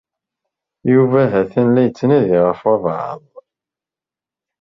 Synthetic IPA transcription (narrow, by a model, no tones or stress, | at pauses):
juvæɦæθænlæjət͡sːənæðiʁəfwævʕə̰ðˤ